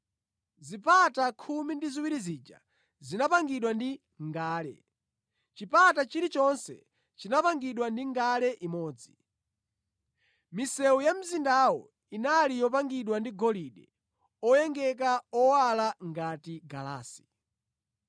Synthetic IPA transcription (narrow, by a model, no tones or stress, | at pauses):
zipatakʰumindiziwiɾizid͡ʒa̰ | zinapaŋɡiɗwandi | ŋɡaːlɛ̰ | t͡ʃipatat͡ʃiɾit͡ʃɔnsɛ̰ | t͡ʃinapaŋɡiɗwandiŋɡalɛʔimɔːd͡zi | misɛujam̩zindawɔ | inalijɔp̬aŋɡiɗwandiɡɔliɗɛ | ɔjɛŋɡɛk̬aɔwalaŋɡatiɡala̰ːsi̥